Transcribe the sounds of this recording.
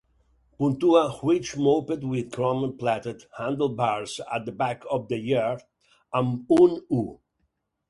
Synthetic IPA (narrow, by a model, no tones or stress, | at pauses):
pũnt̪uahwit͡ʃmopəd̪wɪðkʰɹɔ̃mə̃nplæt̪əd̪hæ̃nd̪əl̩ˠbaɹsa̰t̪̚d̪əbakʰɔvd̪əjiɹ | ãmunu